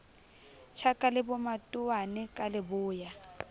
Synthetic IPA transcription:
t͡ʃʰakʼalɪbʊmatʼʊwanɪkʼalɪbʊːja

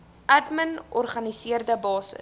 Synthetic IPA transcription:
ʔædmənɔrχɐnisiərdəbɑːsə̰s

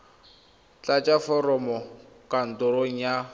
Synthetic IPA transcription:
t͡ɬʼat͡ʃʼafɔrɔmɔ | kʼan̩tʼʊɾoŋ̩ja

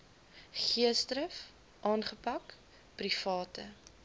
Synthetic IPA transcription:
χiəstɾəf | ʔɑːnχəpɐk | prifɑːtə

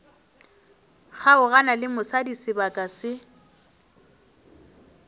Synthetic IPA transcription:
χaʊɣanalɪmʊsadisɪbakʼasɪ

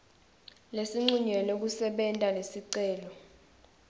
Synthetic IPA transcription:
lesiŋ͡ǀuɲɛlok̬usɛɓɛntʼalesiǀɛːlɔ

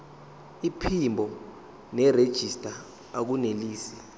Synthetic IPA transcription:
ipʰimbʱɔ | nɛred̥ʒ̥ʱistʼa | ak̬uneliːsi̥

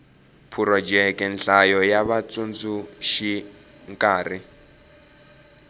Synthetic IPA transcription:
pʰuɾɔd͡ʒɛkʼɛnɬajɔjaβat͡sʼund͡zuʃi | ŋkʼaːri

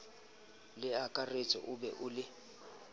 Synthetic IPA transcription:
lɪakʼaret͡sʼɔ̰ʔʊbɛ̰ʔʊlɪ

